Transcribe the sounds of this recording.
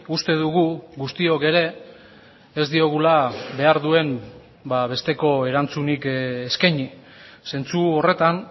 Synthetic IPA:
ust̪e̞ðuɣ̞uɣust̪io̞ke̞ɾe̞ː | zd̪io̞ɣulabe̞aɾðue̞m | baβe̞st̪e̞ko̞e̞ɾant͡sunikeskajɲi | se̞nt͡suo̞re̞t̪an

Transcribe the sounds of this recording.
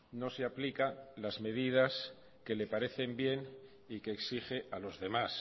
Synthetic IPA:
no̞seaplikalazme̞ðið̞as | ke̞le̞paɾe̞θe̞mbje̞n | ikeːksiχe̞ʔalo̞zðe̞mas

